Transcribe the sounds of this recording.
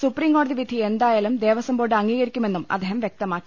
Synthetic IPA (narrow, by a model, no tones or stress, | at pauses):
supriːmŋɡoːɽɐðiʋid̪ʱie̞nd̪aːjaːlumd̪e̞ːʋɐsɐmboːʈɨɐŋːiːɣɐɾikʲːume̞nːumɐd̪ʱːeːɦɐmʋjek̚t̪ɐmaːkːi